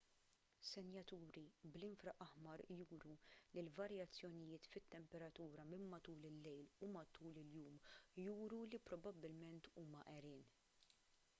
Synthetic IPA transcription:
sɛnjɐt̪uːɾiblɪnfɾɐʔɐħmɐɾjuːɾulilvɐɾjɐt͡sːjɔnɪjɪːt̪fɪt̪ːɛmpɛɾɐt̪uːɾɐmɪmːɐt̪uːlɪlːɛjlumɐt̪uːlɪljuːmjuːɾulipɾɔbɐbːɪlmɛnt̪uːmɐʔɛɾɪːn

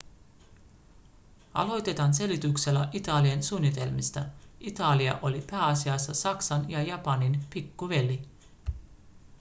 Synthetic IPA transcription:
ɑ̰lo̞jt̪e̞t̪ɑnse̞lit̪ukse̞lːæʔit̪ɑːliɑnsuːnːit̪e̞lmist̪ɑit̪ɑliɑ̰ʔo̞lipæːɑsiɑsːɑsɑksɑnjɑjɑpɑninpikːuʋe̞li

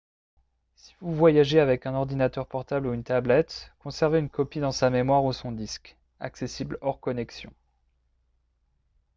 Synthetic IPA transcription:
si̥vuvwajaʒeavɛkɛ̃nɔʁd̪inat̪œʁpɔʁt̪abluynt̪ablɛt̪kɔ̃sɛʁveynkɔpid̪ɑ̃samemwaʁusɔ̃d̪isk | a̰ksesiblɔʁkɔnɛksjɔ̰̃

